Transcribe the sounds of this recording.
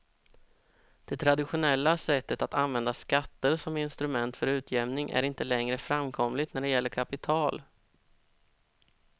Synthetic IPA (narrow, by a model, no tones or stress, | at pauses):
d̪̥ɛt̪ʰɾad̪ɪɧʊnɛlːasɛt̪ːət̪at̪anvɛnd̪askat̪ːəɾsɔmɪnst̪ɾɵmɛnt̪fœɾʉ̟ːt̪ʰjɛmnɪŋʔæ̰ɾɪnt̪əlɛŋɾəfɾamːkʰɔmlɪɡt̪næɖɛjɛlːəɾkʰapɪt̪ʰɑːl